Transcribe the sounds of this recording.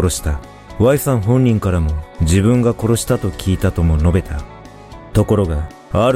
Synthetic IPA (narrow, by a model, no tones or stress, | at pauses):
ɾo̞ɕi̥t̪a | βaisãɰ̃ɦõ̞ɲ̟ːĩŋkaɾamo̞d͡ʑibɯ̟̃ŋɡako̞ɾo̞ɕi̥t̪at̪o̞kʲiːt̪at̪o̞mo̞no̞be̞t̪a | t̪o̞ko̞ɾo̞ɡa | aɾ